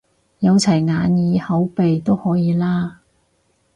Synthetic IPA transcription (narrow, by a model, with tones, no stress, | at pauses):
jɐ˨˧wt͡sʰɐ˨˩jŋaː˨˧njiː˨˧hɐ˨˥wpe˨jt̪o˥whɔː˨˥jiː˨˧laː˥